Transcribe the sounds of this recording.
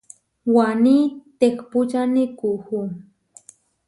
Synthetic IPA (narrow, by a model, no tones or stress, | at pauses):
wanit̪ekput͡ʃanikuxu